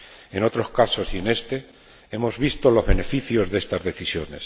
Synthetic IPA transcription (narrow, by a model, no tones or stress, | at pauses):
e̞no̞t̪ɾo̞skaso̞sie̞ne̞st̪e̞ | e̞mo̞zβist̪o̞lo̞zβe̞ne̞fiθjo̞zðe̞st̪azðe̞θisjo̞ne̞s